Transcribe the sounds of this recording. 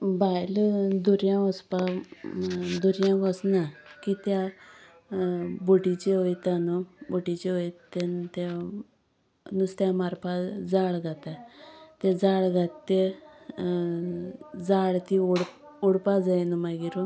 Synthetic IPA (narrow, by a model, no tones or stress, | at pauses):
bajld̪uɾjãʋɔspa | d̪uɾjãɡɔsnakit̪ja | buʈit͡ɕeɦojt̪anɔbuʈit͡ɕeɦojt̪ent̪e | nust̪jamaɾpad͡zaɭɡat̪at̪ed͡zaɭɡat̪ːe | d͡zaɭt̪iuɽ | uɽpad͡zajnumaɡiɾu